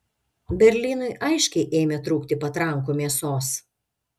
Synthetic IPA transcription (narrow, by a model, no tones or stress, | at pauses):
bʲɛɾʲlʲiːnʊɪʔɐɪʃʲkʲɛɪʔeːmʲɛt̪ɾuːkt̪ʲɪpɐt̪ɾɐŋkoːmʲeɛsoːs